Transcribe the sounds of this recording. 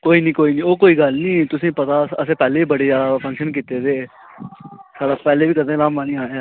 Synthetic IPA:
koːiːnĩːkoːiːnĩːoːkoːiːɡəlnĩːt̪ʊsĩːpət̪aːəsẽːpɛːleːiːbəɽeːd͡ʒaːd̪apʰə̃ŋkʃənk̬iːt̪eːd̪eː | saːɽaːpɛːleːbiːkəd̪ẽːlaːmmaːnĩːaːaː

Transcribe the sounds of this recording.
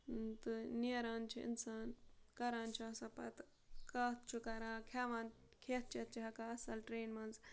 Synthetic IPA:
t̪ɨneːɾaːnt͡ʃʰiḭnsaːnkɐɾaːnt͡ʃʰiɐsɐpɐ̰t̪ | kaːt̪t͡ʃʰukɐɾaːkʰaːʋɐnkʰeːt̪̚t͡ʃʰet̪̚t͡ʃʰiɦɐkaɐsɐlʈɾeːnmɐnz

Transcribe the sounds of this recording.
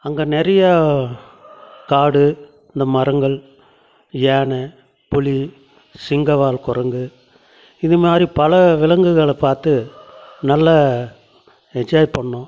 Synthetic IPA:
ɐŋɡɐːnɛɾɐjɐ | kaːɽɯ | ɪnd̪ɐmɐɾɐŋɡɐɭ | jaːɳɐ | pʊli | sɪŋɡɐʋaːlkɔrɐŋɡɯ | ɪðɯmaːd̪ɾipɐlɐʋɪlɐŋɡɯɣɐɭɐpːaːɾt̪ɯnɐlːɐ | ɛɲd͡ʒaːjpɐɳːõː

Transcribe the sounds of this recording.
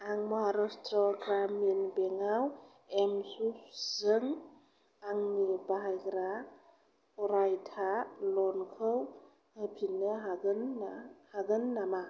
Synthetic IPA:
aŋmɔɦaɾɔstɾɔɡɾaminbeŋaw | emsup̚zɯŋ | aŋnibaɦajɡɾa | ɔɾajtʰalɔnkʰɯw | hɯpʰinɯɦaɡɯnahaɡɯnːama

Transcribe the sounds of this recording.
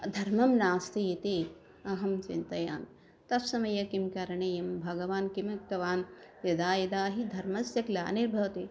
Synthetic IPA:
d̪ʱɐɾmɐmnaːst̪ijit̪e | ɐɦɐmt͡ʃint̪ɐjaːn | t̪ɐpsɐmɐjɐkimkaːɾɐɳɐjɐmbʱɐɡɐʋaːnkimɐk̚t̪ɐʋaːnjɐd̪aːjɐd̪aːɦid̪ʱɐɾmɐsjɐklaːniɾbʱɐʋɐt̪e

